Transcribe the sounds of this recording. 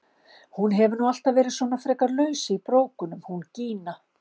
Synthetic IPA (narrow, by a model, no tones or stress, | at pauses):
hunɦɛvʏnual̥t̪avɛːɾɪðsvɔːnafɾɛːkaɾlœːɥsɪipɾoːwkʏnʏmhunciːna